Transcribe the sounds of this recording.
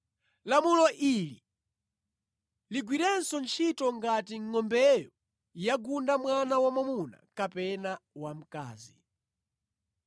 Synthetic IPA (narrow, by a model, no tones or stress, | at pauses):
lamulɔʔili | liɡwiɾɛnsɔnt͡ʃʰitɔŋɡatiŋːɔmbɛjɔ | jaɡundamwanawamamuna̰kapɛnawam̩ka̰ːzi